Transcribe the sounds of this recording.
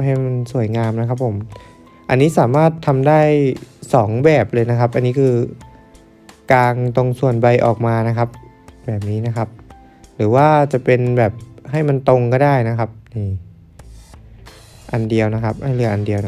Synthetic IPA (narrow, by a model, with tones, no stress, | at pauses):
ɦa˥˩jma˧nsu˨˩əjŋaː˧mna˦˥kʰa˦˥pʰːo˩˦m | ʔa˧nːiː˦˥saː˩˦maː˥˩t̪ʰːa˧mdaː˥˩jsɔː˩˦ŋbɛː˨˩p̚lɤː˧jna˦˥kʰa˦˥p̚ʔa˧nːiː˦˥kʰɯː˧ | kaː˧ŋt̪o˧ŋsu˨˩ənba˧jʔɔ̰ː˨˩k̚maː˧na˦˥kʰa˦˥p̚ | bɛː˨˩p̚niː˦˥na˦˥kʰa˦˥p̚ | ɾɯː˩˦waː˥˩t͡ɕa˨˩ʔpe˧nbɛː˨˩p̚ɦa˥˩jma˧nt̪o˧ŋkɔː˥˩daː˥˩jna˦˥kʰa˦˥p̚na˧j | ʔa˧ndi˧əwna˦˥kʰa˦˥p̚ʔa˥˩jlɯ˥˩ʔa˧ndi˧əw